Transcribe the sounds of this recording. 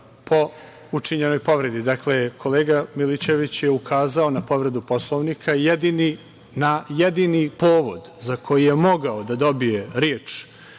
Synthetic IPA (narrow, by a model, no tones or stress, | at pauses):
pʰo̞ | ut͡ʂiɲe̞no̞jpo̞ʋɾe̞d̪id̪akle̞kʰo̞leːɡamilit͡ɕe̞ʋit͡ɕjeukʰaːzaonapo̞ʋɾe̞d̪upo̞slˠoʋnikʰajed̪ini | najed̪inipoːʋo̞d̪zakʰo̞jije̞mo̞ɡaod̪ad̪o̞bije̞ɾjeːt͡ʂ